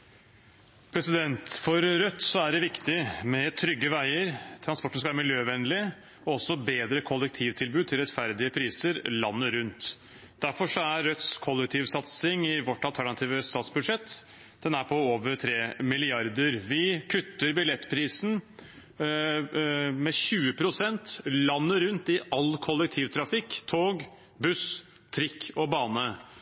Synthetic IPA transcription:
pʰɾɛsɪd̪ɛnt̪fɔɾɾœt̪ːsɔæɖɛʋɪkt̪ɪmɛt̪ʰɾʏɡːəʋæɪəɾt̪ʰɾɑnspɔʈən̩skɑʋæɾmɪljøːʋɛnlɪ | ɔɔsːɔbeːd̪ɾəkʰɔlːɛk̚t̪ʰiːʋt̪ʰɪlbʉːd̪̚t̪ʰɪlɾɛt̪fæɾd̪ɪəpʰɾiːsəɾlɑnːəɾʉnt̪ | d̪̥æɾfɔʂɔæɾːœt̪skʰɔlːɛk̚t̪ʰiːʋsɑt̪sɪŋɪʋɔʈːɑlt̪ʰæɳɑt̪ʰiːʋəst̪ɑːt̪sbʉd̪ʂɛt̪ː | d̪ɛnæɾpʰɔoːʋəɾt̪ʰɾeːmɪlɪɑɾd̪əɾʋɪkʰʉt̪ːəɾbɪlɛt̪ːpʰɾiːsn̩ | mɛɕʉːəpʰɾʊsɛnt̪lɑnːəɾʉnt̪ɪʔɑlkʰɔlːɛk̚t̪ʰiːʋt̪ʰɾɑfɪkːt̪ʰoːɡ | bʉs | t̪ʰɾɪkʰːɔbɑːnə

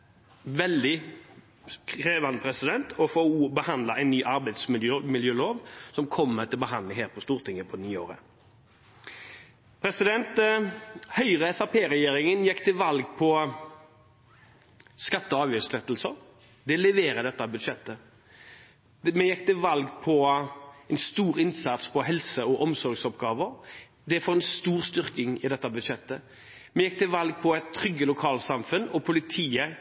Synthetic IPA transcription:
ʋɛld̪ɪ | kʰɾeːʋɑnəpʰɾɛsɪd̪ɛnt̪ʰɔfoːbəhɑnd̪lɑʔɛɪnːyːʔɑɾbæɪd̪smɪjømɪljøːloːʋsɔmkʰɔmːət̪ʰɪlɔbəɦɑnd̪ləɦeːɾpʰɔst̪uːʁt̪ʰɪŋːəpʰɔnyːo̰ːɾə̰ | pʰɾɛsɪd̪ɛnt̪ | hœʏʁəɛfɑpʰeːɾɛjeːɾɪŋənjɛkːt̪ɪʋɑlɡpʰɔ | skɑt̪ːəɑːʋjøːslɛt̪ːlsə | d̪ɛlɛʋeːɾəd̪ɛt̪ːəɑbʉd̪ʂɛt̪ːə | mɛjɛkːt̪ɪʋɑlɡpʰɔɛnst̪uːɾɪnsɑt̪spʰɔɦɛlsəɔʔɔmsɔɾɡsɔpɡɑːʋə | d̪ɛæfɔɾɛnst̪uːʁst̪ʏɾkɪŋɪd̪ɛt̪ːɑbʉd̪ʂɛt̪ːə | mɛjɛkːt̪ʰɪʋɑlɡ̚pʰɔɛt̪ʰːɾʏɡːəlʊkʰɑːlsɑmfʉnɔpʰʊlɪt̪ʰiːə

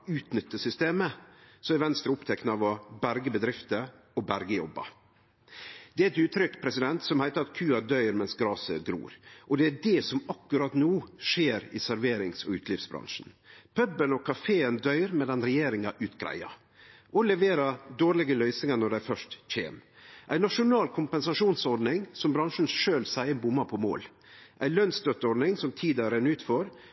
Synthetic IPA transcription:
ʉːt̪nʏt̪ːəsʏst̪eːməsɔmɛɾʋɛnst̪ɾəʊpt̪ʰɛknəɑʋɔbæɾɡəbəd̪ɾɪft̪ə | ɔbæɾɡəjɔbːɑ̰ | d̪̥ɛæɛt̪ʉːt̪ʰɾʏkːpʰɾɛsɪd̪ɛnt̪sɔmhæɪt̪əɾɑt̪kʰʉːɑd̪œʏɾmɛnsɡɾɑːsəɡɾṵːɾʔɔd̪ɛæɖɛsɔmɑkːʉɾɑt̪nuːʂeːɾɪ̰sæɾʋeːɾɪŋsɔ̰ʉːt̪ʰlɪːfsbɾɑ̰nʂn̩ | pʰœbənɔkʰɑfeːənd̪œʏɾmɛd̪ɛnɾɛjeːɾɪŋɑʔʉːt̪ɡɾæ̰ɪɑ̰ | ʔɔlɛʋeːɾɑd̪oːɾlɪɡəlœʏsnɪŋɑnɔɖæɪfœʂtc͡çʰḛːmʔæɪnɑʂʊnɑːlkʰʊmpɛnsɑʂuːnsɔɾd̪nɪŋsɔmbɾɑŋʂn̩ʂøːlsæɪənbʊmːɑpʰɔmo̰ːl | ʔæɪlœnst̪œt̪ːəɔɾɖ̪nɪŋsɔmt̪ʰiːd̪ɑɾɛnːʉːt̪fɔɾ

